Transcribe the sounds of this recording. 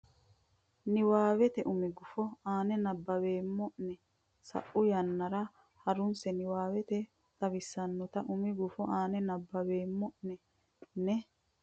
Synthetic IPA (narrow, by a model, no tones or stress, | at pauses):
nɪwaːwɛt̪ɛʔʊmɪɡʊfɔaːnɛnɐbːɐbeːmːɔʔnɛ | sɐ̰ʔːʊjɐnːɐɾɐ | hɐɾʊnsɛnɪwaːwɛt̪ɛ | t̪ɐβɪsːɐnːɔt̪ɐʔʊmɪɡʊfɔʔaːnɛnɐbːɐbeːmːɔʔnɛ | nɛ